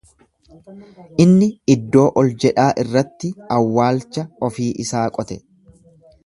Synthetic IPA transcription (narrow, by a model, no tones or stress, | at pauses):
ʔɪnːɪɪd̪ːo̞ːʔɔld͡ʒɛᶑaːʔɪrːɐt̪ːɪɐwːaːlt͡ʃːɐɔfiːʔɪsaːkʼɔt̪ɛ